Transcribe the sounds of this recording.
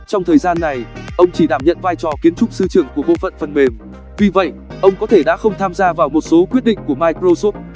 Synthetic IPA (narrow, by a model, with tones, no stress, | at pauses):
t͡ɕɔ˧wŋ͡mt̪ʰəː˨˩jzaː˧nːa˨˩jʔə˧wŋ͡mt͡ɕi˧˩ɗaː˧˩mɲə̰˧˨nvaː˧jt͡ɕɔ˨˩ki˨˦ənt͡ɕʊ˦˥k͡p̚sɨ˧t͡ɕɨ˧˩əŋku˧˩əɓo̰˧˨fə̰˧˨nfə˨˩nme˨˩m | vi˨˩və̰˧˨jʔʔə˧wŋ͡mkɔ˨˦t̪ʰe˧˩ɗa̰ː˧˥xə˧wŋ͡mt̪ʰaː˧mzaː˧vaː˨˩wmo˨˩t̚so˨˦kwi˦˥ət̚ɗḭ˧˨ŋ̟ku˧˩əmaː˧jkzo˧so˦˥p̚